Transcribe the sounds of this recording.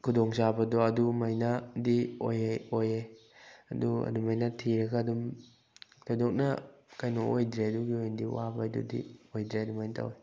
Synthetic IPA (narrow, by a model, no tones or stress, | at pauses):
kʰudɔŋsabɐdɔɐdumɐjnadio̰jeoje | ɐ̰duɐ̰dumɐjnatʰiɾɐɡaːdum | tajdɔk̚nɐkajnɔojdɾeɐduɡiojndiwa̰badṵdḭojdɾeɐdumajntʰa̰we